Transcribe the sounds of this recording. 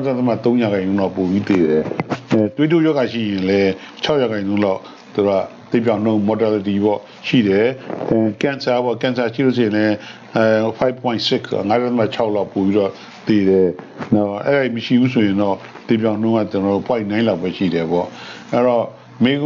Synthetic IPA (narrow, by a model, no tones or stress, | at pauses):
adat̪əma̰t̪õʊ̃jaɡãɪ̃nõlaʊpobit̪eɾɛtwedojɔɡaʃḭjɪ̃nlɛt͡ɕʰaʊʔjaɣãɪ̃nõʊ̃laʊ | t̪uɾa̰t̪epjãʊ̃n̥õʊ̃mɔtalətibɔ̰ | ʃḭɾɛ | kãnsabɔkãnsaʃḭoseɪ̃lɛ | pʰaɪb̚pʰːwɔ̃ɪ̃nsɪkʰa̰ŋaɾat̪əma̰t͡ɕʰaʊʔlaʊpopiɾɔ | t̪eɾɛnaʔɛ̰ɾaiməʃḭbusʰojɪ̃nɔt̪ep̬jãʊ̃nõŋat͡ɕənɔopʰwãɪ̃nãlapːwɛʃḭdɛbɔ̰ʔɛɾɔ | mẽ